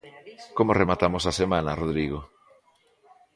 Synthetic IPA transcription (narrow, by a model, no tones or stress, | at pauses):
komoremat̪amosasemãnaroðɾiɣo